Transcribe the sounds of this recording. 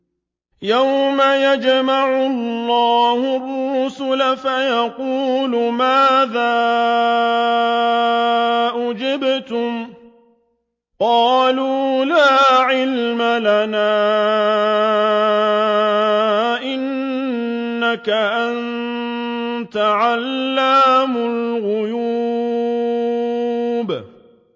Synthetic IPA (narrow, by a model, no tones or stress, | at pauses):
jawmajad͡ʒmaʕʊlːɑːhʊrːʊsʊlafajɑquːlʊmaːðaː | ʔʊd͡ʒɪbt̪ʊm | qɑːluːlaːʕɪlmalanaː | ʔɪnː | akaʔan | t̪aʕalːamʊlɣʊjuː | b